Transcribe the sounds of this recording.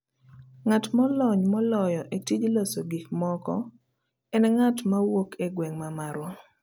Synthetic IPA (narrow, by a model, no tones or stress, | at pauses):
ŋatmɔlɔɲmɔlɔjɔʔetid͡ʒlosoɡikmɔkɔ | ɛnɛŋatmawokʰeɡwɛŋmamaɾwo